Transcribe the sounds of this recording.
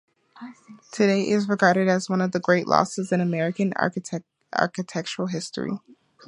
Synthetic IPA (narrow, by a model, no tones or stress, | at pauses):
tʰɨɾeɪʔɪzɹɨɡɑɹɾɨɾɨzwʌ̃nʌvðɨɡɹeɪʔlɔ̰sɨzɨ̃ñɨmɛɹɨkɨ̃nɑ̰ɹ | ʔɑ̰ɹkɨtʰɛk̚t͡ʃə˞l̩ˠɦɪstɹ̥ḭ